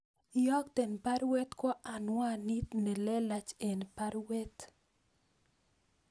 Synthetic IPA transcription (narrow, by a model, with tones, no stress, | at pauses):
jɔ˦kt̪ɛ˨npa˦ɾwɛ˦t̪kɔ˦ʔa˨nwa˦ni˦t̪ne˨lɛ˦la˨t͡ʃe˨npa˦ɾwɛ˦t̪